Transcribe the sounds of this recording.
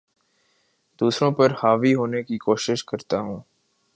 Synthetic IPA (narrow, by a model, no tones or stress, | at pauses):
d̪̥uːsɾõpɐɾhaːʋiɦoːnekikoːʃɪʃkɐɾt̪aɦũː